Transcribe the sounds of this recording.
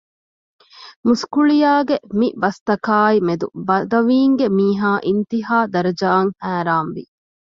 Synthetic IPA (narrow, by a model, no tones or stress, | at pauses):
muskuɭijaːɡemibɐst̪ɐkaːimed̪ṵbɐd̪ɐʋiːŋɡemiːɦaːʔint̪iɦaːd̪ɐɾɐd͡ʒaːŋhæːɾaːnʋḭ